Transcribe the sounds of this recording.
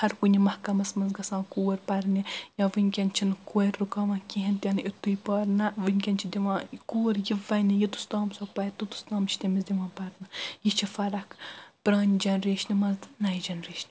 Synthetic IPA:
hɐɾkunʲimɐhkɐmɐsmɐnzɡɐsãːkuːɐɾpɐɾnijãːʋɨnʲkʲɐnt͡ʃʰinɨkuɾːukɐʋãkʲiɦɐnt̪ʲɐnʔit̪ːujpɐːɾnɐʋɨnʲkʲɐnt͡ʃʰid̪iʋãːkuːɾjiʋɐnijit̪u̥st̪aːmsɐpɐt̪ut̪u̥st̪aːmt͡ʃʰi̥t̪emɐsd̪iʋãːpɐɾnɐjit͡ʃʰifɐɾɐkpɾɐːnʲd͡ʒɐnɾeːʃnimɐzt̪nɐjid͡ʒɐnɾeːʃnʲ

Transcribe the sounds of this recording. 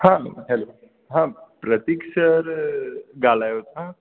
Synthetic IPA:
hãɦelo | ɦãpɾət̪ikʃəɾɡalajot̪ɦã

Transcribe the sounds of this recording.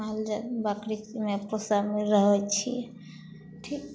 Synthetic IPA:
ald͡ʒabakɾimepɾosameɾəɦɔt͡ʃʰḭ | ʈʰik

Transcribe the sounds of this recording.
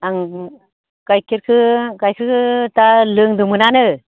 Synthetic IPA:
aŋ | kajkʰiɾkʰɯkajkʰɯkʰɯtalɯŋdumɯnanɯ

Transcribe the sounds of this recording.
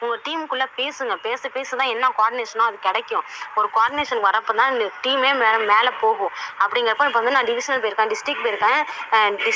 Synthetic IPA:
ʊŋɡɐʈiːmkːʊɭːɐpeːsɯŋɡɐpeːsɯpeːsɯt̪ãːɛnːãːkoaːɾɖɪneːʂɐnãːɐðɯkːɛɽɛkːʊ̃ɔɾɯkoaːɾɖɪneːʂɐnʋɐɾɐpːɯt̪ãːɪnʈiːmeːmːmeːlɐpoːɣʊ̃ɐpːɐɽɪŋɡɐɾɐpõːɪp̬ːɐʋɐnd̪ɯnaːɖɪʋɪʂɐnɐlpoːɪɾkːẽːɖɪsʈɾɪkːpoːjɪɾɯkːẽːɖɪ

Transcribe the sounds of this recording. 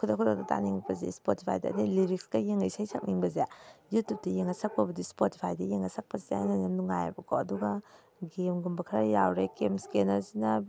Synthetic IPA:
kʰudakʰuda̰k̚data̰niŋpɐzḛspotipʰa̰jda̰ːdiliɾik̚skajeŋajsajsʰak̚niŋbɐzejutup̚tijeŋasak̚pɐbɐdispoti̥pʰajdɐjeŋasak̚pɐzeananamnuŋaja̰bɐkʰoɐduɡa | ɡemɡumbɐkʰɾajawɾekemskenɐɾzinɐ

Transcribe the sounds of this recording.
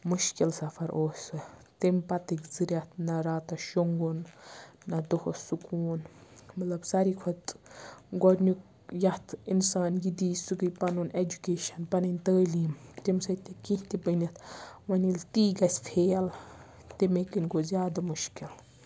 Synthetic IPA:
muʃkilsɐfʰɐɾʔoːsɨt̪impɐt̪ikzɨɾʲɐt̪nɐɾaːt̪ɐʃoŋɡunː | ɐd̪ohosukuːnmɐt̪lɐbsɐɾikʰɔt̪ɡɔɾnuk | jɐt̪ʰinsaːnjid̪iːsukɨjpɐnuned͡ʒukeːʃɐnpɐnɐnʲt̪əːliːmt̪imsɐt̪ekĩht̪ibənʲit̪ʋɐnilt̪iːɡɐsʲpʰeːl | t̪imekinʲkozʲjaːd̪ɐmuʃkil

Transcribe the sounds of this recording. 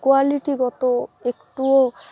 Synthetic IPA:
kualiʈiɡɔt̪oekʈuo

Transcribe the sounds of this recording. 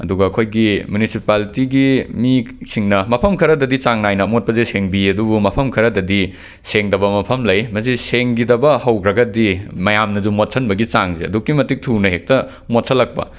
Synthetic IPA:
ɐ̰duɡɐːkʰojɡimjunisipaltiɡimisiŋnɐmɐpʰɐmkʰɐɾɐdɐdit͡ʃaŋnajnɐmot̚pɐzeseŋbiɐdubumɐpʰɐmkʰɐɾɐdɐdi | seŋdɐbɐmɐpʰɐmlɐjmɐsiseŋɡidɐbɐhɐwkʰɾɐɡɐdimɐjamnɐd͡ʒumot̚sʰɐnbɐɡit͡ʃaŋzeɐ̰dukːimɐtik̚tʰunɐɦek̚tɐ | mot̚sʰɐlɐk̚pɐ̰

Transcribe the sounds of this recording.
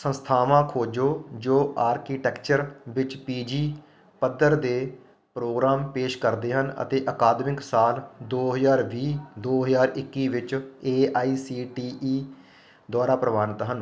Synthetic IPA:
sə̃nst̪ʰaːʋãːkʰoːd͡ʒoːd͡ʒoːaːɾkiːʈɛːkt͡ʃəɾʋɪt͡ʃpiːd͡ʒiː | pəd̪əɾd̪eː | pɾoːɡɾaːmpeːʃkəɾd̪eːɦənə̰t̪eːʔəkaːd̪mɪksaːld̪oːɦəzaːɾʋiːd̪oːɦəzaːɾɪkːiːʋɪt͡ʃeːaːiːsiːʈiːʔiː | d̪waːɾaːpɾəʋaːnɪt̪ɦən

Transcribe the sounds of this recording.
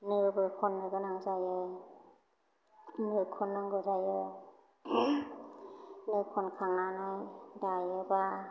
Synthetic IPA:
nɯbɯɾkʰɔnːɯɡɯnaŋzajɔ | nɯkʰɔnːɔŋɡɯzajɔ | nɯkʰɔnkʰaŋanɔjdajeba

